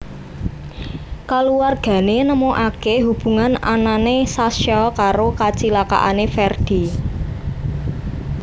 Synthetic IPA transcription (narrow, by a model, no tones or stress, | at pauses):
kaluwarɡ̥ä̤nenəmoʔakeɦub̥ṳŋana̰nanesasjɔkaɾokat͡ʃilaka̰ʔanefɛrd̪̥i̤